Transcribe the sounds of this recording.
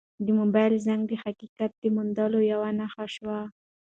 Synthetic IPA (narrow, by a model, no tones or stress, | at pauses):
d̪əmobɑjlzaŋɡd̪əhakikat̪̚d̪əmʊnd̪ɑlojawanaxaʃwa